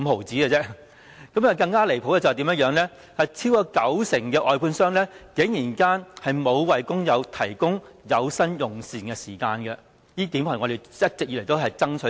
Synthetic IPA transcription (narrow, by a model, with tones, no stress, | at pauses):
ho˨˩wt͡siː˨˥ɡɛ˧t͡sɛ˥ | kɐ˨˥mɐː˨kɐ˧ŋkaː˥le˨˩jpʰo˨˧˥wɛ˧˩t͡sɐ˨˩t̪i˨˥mɐ˥tjœː˨˧˥ŋlɛː˥ | hɐ˨jt͡sʰiː˥wkɔː˧kɐ˨˥wsɪ˨˩ŋkɛː˧ʔɔː˨jpʰuː˧nsœː˥ŋnlɛː˥ke˨˥ŋjiː˨˩nkaː˥nhɐ˨jmo˨˧wwɐ˨jkʊ˥ŋjɐ˨˧wt̪ʰɐ˨˩jkʊ˥ŋjɐ˨˧wsɐ˥njʊ˨˩ŋsiː˨nkɛ˧siː˨˩kaː˧nɡɛ˧ | jiː˥t̪iː˨˥mha˨ŋɔː˨˧d̪e˨jjɐ˥t̚t͡sɪ˨k̚yː˧˨le˨˩t̪o˥wɦɐ˨jt͡sɐ˥ŋt͡ʃʰɵ˨˥